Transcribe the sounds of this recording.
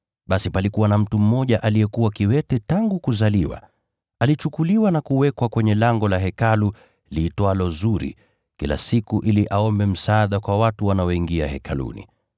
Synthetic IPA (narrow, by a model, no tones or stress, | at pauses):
ɓasipalikuwanam̩tum̩mɔʄaʔaliɛkuwakiwɛtɛtaŋɡukuzaliwa̰ | alit͡ʃukuliwanakuwɛkwakwɛɲɛlaŋɡɔlaɦɛkalu | liːtwalɔzuɾḭ | kila̰sikuʔiliʔaɔmbɛm̩saːɗakwawatuwanaɔiŋɡiahɛkʰalṵnḭ